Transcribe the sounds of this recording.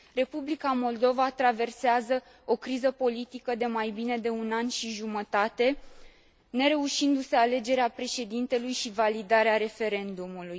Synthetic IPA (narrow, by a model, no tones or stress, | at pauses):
re̞publikamo̞ld̪o̞vat̪ɾave̞rseazə | o̞kɾizəpo̞lit̪ikəd̪e̞majbine̞d̪e̞unanʃiʒumət̪at̪e̞ | ne̞ɾe̞uʃind̪use̞ale̞d͡ʒe̞ɾeapɾe̞ʃe̞d̪int̪e̞lujʃivalid̪aɾeaɾe̞fe̞ɾe̞nd̪umuluj